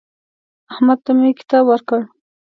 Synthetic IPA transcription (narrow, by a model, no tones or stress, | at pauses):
ahmad̪̚t̪amekɪ̥t̪ɑbwəɾkəɽ